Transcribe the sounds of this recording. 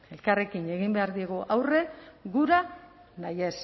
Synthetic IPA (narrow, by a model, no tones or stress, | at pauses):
e̞lkare̞kine̞ɣ̞imbe̞aɾðieɣ̞uʔawre̞ɣuɾa | naje̞s